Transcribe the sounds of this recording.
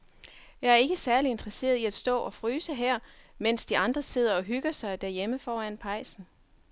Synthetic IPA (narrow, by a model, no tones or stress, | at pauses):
jɑ̈ɪæɐe̝ɡ̥əsæɐlie̝nd̥ʁɐse̝̰ːɐðˠiæd̥sd̥ɔ̰̽ːʔɒ̽fʁyːsəɦæɐ̰men̰sd̥iɑ̈nd̥ʁɐse̝ð̰ˠɐɒ̽ɦyɡ̥ɐsɑ̈ɪd̥æɐjeməfɒːæn̰pʰɑ̈ɪ̰sn̩